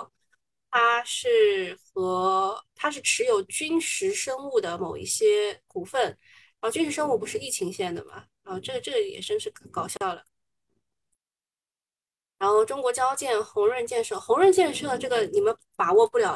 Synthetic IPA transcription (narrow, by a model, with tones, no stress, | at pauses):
t̪ʰa˥ʂɻ̩˥˩xɤ˧˥t̪ʰa˥ʂ̬ɻ̩˥˩ʈ͡ʂʰɻ̩˧˥jo˨˧˩ʊt͡ɕy˥nʂɻ̩˧˥ʂɤ˥ŋu˥˩d̪ə˩mo˨˩ʊḭ˥˩ɕjɛ˥ku˥˩fə˥˩n | ɻa˧˥xo˥˧t͡ɕy˥nʂɻ̩˧˥ʂ̬ɤ˥ŋu˥˩p̬u˧˥ʂɻ̩˥˧i˥˩t͡ɕʰi˧˥ŋɕjɛ˥˩nd̪ə̰˩mɐ̰˩ɻa˧˥nxo˥˧ʊʈ͡ʂɤ˥˩ɡʈ͡ʂɤ˥˩ɡə˩jɛ̰˨˩ʂə˥nʂɻ̩˧˥˩kɑ˨˩ʊɕjɑ˥˩ʊlə˩ | ɻa˧˥nxo˥˩ʊʈ͡ʂʊ˥ŋkwɔ˧˥t͡ɕjɑ˥ʊt͡ɕjɛ˥˩nxʊ˧˥ŋɻə˥˧nt͡ɕjɛ˥˧nʂɤ˥˩xʊ˧˥ŋɻə˥˧nt͡ɕjɛ˥˧nʂɤ˥˩ʈ͡ʂɤ˥˩ɡə˩ni˨˩mə˧˦n | pa˨˩wɔ˥˧˩pu˥˩ljɑ˨˩ʊ